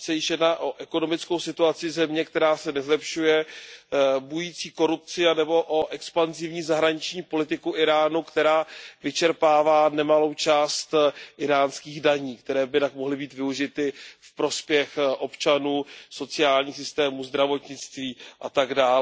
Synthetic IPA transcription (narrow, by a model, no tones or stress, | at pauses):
sɛjɪʃjɛdnaːʔo̞ʔɛko̞no̞mɪt͡sko̞wsɪt̪uat͡sɪzɛmɲɛkt̪ɛɾaːsɛnɛzlɛpʃujɛ | bujit͡siːko̞ɾup̚t͡sɪanɛbo̞ʔoʔɛkspanzɪvɲiːzaɦɾaɲɪt͡ʃɲiːpo̞lɪt̪ɪkuʔɪɾaːnukt̪ɛɾaːvɪt͡ʃɛɾpaːvaːnɛmalo̞wt͡ʃaːst̪ʔɪɾaːnskiːɣdaɲiːkt̪ɛɾɛːbɪt̪akmoɦlɪbiːt̪vɪuʒɪt̪ɪfpɾo̞spjɛxʔo̞pt͡ʃanuːso̞t͡sɪaːlɲiːxs̬ɪst̪ɛːmuzd̪ɾavo̞t̪ɲɪt͡st̪viːʔa̰t̪aɡdaːl